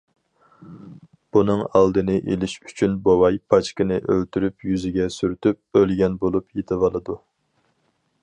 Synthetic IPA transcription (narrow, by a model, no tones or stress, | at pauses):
b̥unɨŋɑlˠd̪ɨnɨʔelɪʃy̥t͡ʃʰynbowɑjpʰɑt͡ʃkʲinɪʔølt̪ʰyɾypjyzɪɡʲɛsyɾt̪ʰyp̚ølɡʲɛnbolˠupjet̪ʰɪvɑlˠɨd̪u